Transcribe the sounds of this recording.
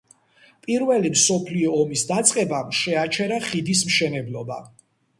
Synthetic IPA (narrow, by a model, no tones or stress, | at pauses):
pʼiɾvɛlimsɔpʰliɔːmisd̪at̪sʼqʼɛbaʃɛat͡ʃʰɛɾaχid̪is̬mʃɛnɛblɔba̰